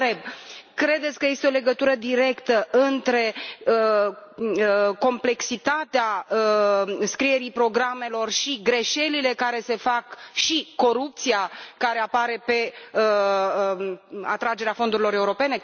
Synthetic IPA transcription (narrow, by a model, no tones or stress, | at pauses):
ebkɾe̞d̪e̞t̪sʲkəje̞st̪eo̞le̞ɡət̪uɾəd̪iɾe̞kt̪əʔɨnt̪ɾe̞ə | ko̞mple̞ksit̪at̪eaəskɾije̞ɾipɾo̞ɡɾame̞lo̞rʃiɡɾe̞ʃe̞lile̞kaɾe̞se̞fakʃiko̞ɾup̚t̪siakaɾe̞apaɾe̞pe̞ə | a̰t̪ɾad͡ʒe̞ɾeafo̞nd̪uɾilo̞ɾe̞uɾo̞pe̞ne̞